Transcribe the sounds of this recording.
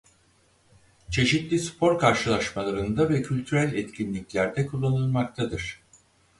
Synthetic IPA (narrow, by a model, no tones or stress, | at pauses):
t͡ʃʰe̞ʃit̪lʲispʰo̞ɾkʰaɾʃɯlˠaʃmalˠaɾɯnd̪avɛcʰylʲt̪ʰyɾælʲɛt̪cʰinlʲiclʲæɾd̪ɛkʰulˠːanɯlˠmak̚t̪ʰad̪ɯɾ̥